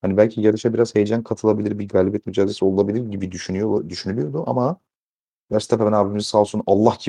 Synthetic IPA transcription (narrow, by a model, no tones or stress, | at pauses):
hanibælʲcʰijad̪ɯʃabiɾazhejed͡ʒænkʰat̪ʰɯlˠabilʲiɾbiɡaːlʲibjɛt̪myd͡ʒaːd̪zesio̞lˠulˠabilʲiɾɟibid̪yʃynyjod̪yʃynylʲijo̞d̪uʔa̰ma | bæɾst̪ʰapabænaːbimizisaːlˠsunalˠːahcʰi